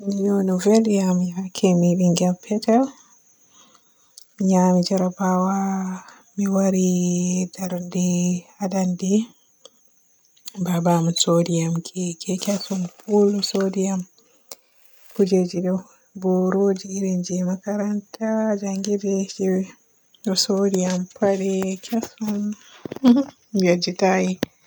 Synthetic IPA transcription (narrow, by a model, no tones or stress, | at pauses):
nijɔnuvelijamiakʰɛmibiŋɡampʰɛtal | miɲamid͡ʒaɾabawa | miwaɾidaɾndihadandi | babamisodijamkʰɛkʰɛkasɔnpulsodijam | kud͡ʒed͡ʒiɗɔw | bɔɾoːd͡ʒiɾind͡ʒimakaɾantad͡ʒaŋɡidɛʃiwɛ | ɔsodijampʰaɗɛkʰasɔn | jad͡ʒitaji